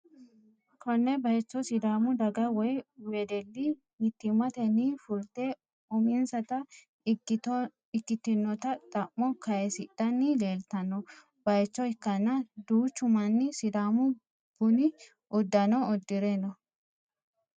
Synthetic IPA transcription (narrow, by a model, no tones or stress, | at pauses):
kʰɔnːɛbɐjt͡ʃːɔsɪd̪aːmʊd̪ɐɡɐwɔjweːd̪ɛlːɪ | hɪt̪ːɪmɐt̪ɛnifʊlt̪e | ʊmɪnsɐt̪ɐ | ɪkːɪt̪ɔ | ɪkːɪt̪ːɪnːɔt̪ɐt̪ʼɐmːɔkʰɐjɛsɪd̪̥ɐnːɪleːlt̪ɐnːɔ | bɐjt͡ʃːɔɪkːɐnːɐd̪uːt͡ʃːʊmɐnːɪsɪd̪aːmʊ | b̥ʊnɪ | ʔʊd̪ːɐnɔɔd̪ːɪɾɛnɔ